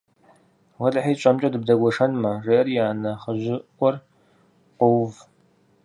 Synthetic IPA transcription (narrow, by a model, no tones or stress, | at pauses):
wɐɮħiːɕʼɐmt͡ʃʼɐdɨb̚dɐɡʷɔʂɐnmɐreːɐrjaːnɐχəʑɪkʷʼɔr | qʷʊwv